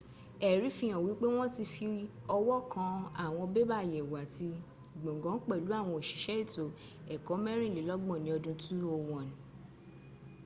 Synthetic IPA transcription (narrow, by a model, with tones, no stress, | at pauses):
ɛ˨ɾi˨˦fĩ˦j̃ã˨wi˨˦k͡pe˦w̃ɔ̃˦ti˧fi˧ɔ˧wɔ˦kã˧a˦˨w̃ɔ̃˧be˦ba˦˨jɛ˨wa˨ti˧˨ | ɡ͡bõ˨ɡɔ̃˨˦n̩˦k͡pɛ˦˨lu˨˦a˦˨w̃ɔ̃˧o˨ʃi̥˨ʃɛ˨˦i˦˨to˨ | ɛ˨kɔ˨˦mɛ̃˦ɾ̃ĩ˦˨li˨˦lɔ˦ɡ͡bɔ̃˦˨nĩ˨˦ɔ˧dũ˧tu˦o˧˨wɔ̃˨nĩ˨